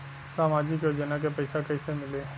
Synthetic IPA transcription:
saːmaːd͡ʒɪkoːd͡ʒənak̬epəɪsakəisemɪleː

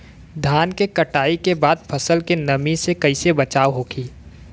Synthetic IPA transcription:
d̪ʱaːnkekɐʈaːikebaːd̪̚pʰɐsəlkenɐmisekɐisebɐt͡ʃaːʋɦoːɡiː

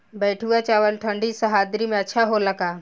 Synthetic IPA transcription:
bɛːʈʰuat͡ʃaːʋəlʈʰə̃ɳɖisəɦaːd̪ɾimẽɐtːʃʰaɦolɐɡaː

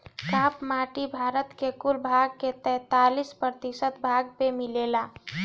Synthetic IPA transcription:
kapmaʈibʱaɾət̪kekulbʱaɡ̚ket̪ɛːt̪alispɾət̪isət̪bʱaɡpemilela

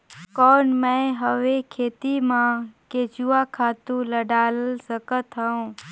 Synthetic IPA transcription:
kɔːnmə̃ɦəʋekʰeːt̪imãket͡ʃuakʰaːt̪ũləɖaːlsəkət̪ɦəõː

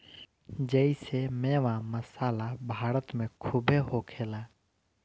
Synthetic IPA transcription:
d͡ʒəisemeːʋãməsaːlabʱaːɾət̪mẽkʰʊbeɦokʰeːlaː

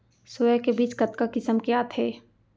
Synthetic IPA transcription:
soːjəkebiːt͡ʃkɐt̪kakɪsəmkejaːt̪ʰeː

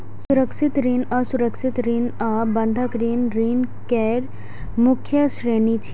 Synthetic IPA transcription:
sʊɾəkʃɪt̪ɾinəsuɾəkʃit̪ɾinəbɐ̃nd̪ʱəkɾinɾinkɛɾ | mʊkʰjəʃɾeːnit͡ʃʰi̥

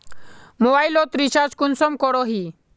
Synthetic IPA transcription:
mɔbailɔt̪ɾiɕad͡zkunsɔmkɔɽɔɦi

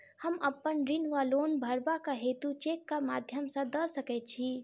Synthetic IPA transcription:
həməpːənɾinʋalonbʱəɾbakaɦet̪ut͡ʃekːamad̪ʱjəmsə̃d̪əsəkɛt̪̚t͡ʃʰi

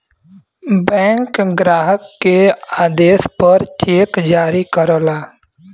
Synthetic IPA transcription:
bɛ̃ːŋkɡɾaːɦəkːeaːd̪eːspəɾt͡ʃeːkd͡ʒaːɾikəɾoːlaː

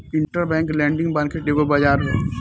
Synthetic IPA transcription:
ɪ̃ɳʈəɾbɛ̃ːŋklɛ̃ːɳɖɪ̃ŋɡbãːnkeʈleːɡobɐd͡ʒaːɾɦɛ̰ː

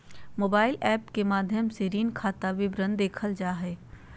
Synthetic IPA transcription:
moːbaːɪlɛːpkemaːd̪ʱjəmseɾiːnkʰaːt̪aʋɪbɾə̃nd̪eːkʰəld͡ʒaːɦɛː

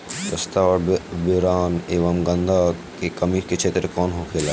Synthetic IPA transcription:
t̪ɐst̪aɾbɪɾaːneːʋɐmɡɐ̃nd̪akekɐmiːɾket͡ʃʰeːt̪ɾkɔːnɦokʰeːla

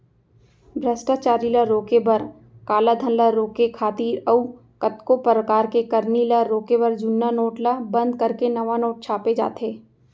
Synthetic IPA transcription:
bʱɾəsʈaːt͡ʃaːɾilaɾoːkebɐɾ | kaːlad̪ʱɐnləɾoːkekʰaːt̪iːɾəu | kət̪kopɾəkaːɾkekɐɾnilaɾoːkebɐɾd͡ʒʊnːanoːʈlabɐ̃nd̪kɐɾkenɐʋanoːʈ̚t͡ʃʰaːped͡ʒa̰ːt̪eː

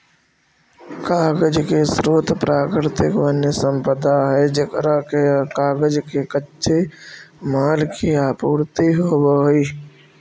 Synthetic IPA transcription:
kaːɡəd͡ʒkesɾoːt̪pɾaːkɾɪt̪ɪkʋənjəsə̃mpəd̪aɦɛd͡ʒekɾakekaːɡəd͡ʒkekətːʃʰemaːlkʰiaːpuːɾt̪iɦobəɦi

